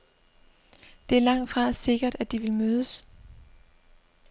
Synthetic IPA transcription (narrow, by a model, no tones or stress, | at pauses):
d̥e̝æɐlɑ̈ŋ̰d̥fʁɑ̈se̝ɡ̥ɐd̥æd̥iʋe̝lmøːðˠəs